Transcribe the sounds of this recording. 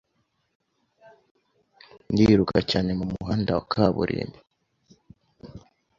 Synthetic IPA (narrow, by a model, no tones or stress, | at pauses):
ndiɾukʰacaːne̞mumuɦaːndawakʰaβṵɾʔḛmi